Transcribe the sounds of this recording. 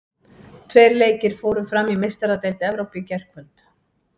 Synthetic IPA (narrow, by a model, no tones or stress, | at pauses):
t̪ʰveːjɾleːjcɪɾ̥foːwɾʏfɾamimest̪aɾat̪ejlt̪ɛvɾowpicɛr̥kvœlt̪